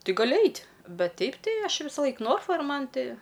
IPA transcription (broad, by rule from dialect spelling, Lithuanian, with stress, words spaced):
ˈtɨ ɡɐˈlʲɪ ˈɐɪtʲ ˈbʲɛt ˈtʲɛɪp ˈtɐɪ ˈɐʃ ˈʋʲɪsɐlˠɐɪk ˈnoːrfɐ ɪr ˈmɐn ˈtʲɪ